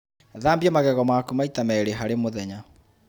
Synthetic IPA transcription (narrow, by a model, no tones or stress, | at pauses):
ðaːmbiamaɣɛɣɔmaːkumaitamɛɾeɦaɾemoðɛɲa